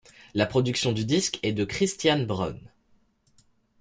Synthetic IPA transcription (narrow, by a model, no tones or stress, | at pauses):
lapχɔd̪yksjɔ̃d̪yd̪iskɛd̪əkχist̪janbʁɔ̰n